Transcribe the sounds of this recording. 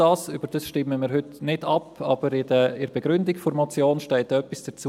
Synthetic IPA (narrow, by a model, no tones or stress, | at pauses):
ɑːsyb̥əɾd̥əsʃtɪmːəmɪːɾɦʏtnɪdɑpɑ̰ːb̥əɾɪdəɪɾb̥ɛɡ̥ɾʏndɪkfʊɾmɔt͡sjoːnʃtɛɪtœpːisd̥ət͡su